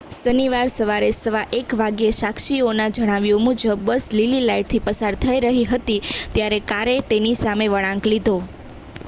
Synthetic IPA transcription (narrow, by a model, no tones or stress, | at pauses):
səniʋaɾsəʋaɾesəʋaʔekʋaɡjeʃakʃionad͡ʒəɽ̃aʋjũmud͡ʒəbːəslililaiʈ̚t̪ʰipəsaɾt̪ʰəiɾəɦiɦət̪it̪jaɾekaɾet̪enisameʋəɽ̃ãŋklid̪ʱo